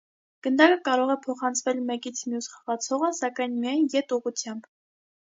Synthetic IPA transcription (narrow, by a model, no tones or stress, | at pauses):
ɡ̥ənd̪ɑkəkɑɾɔʁɛpʰɔχɑnt͡sʰvɛlmɛkit͡sʰmjusχəʁɑt͡sʰɔʁəsɑkɑjnmijɑjnjɛt̪uʁut͡sʰjɑmb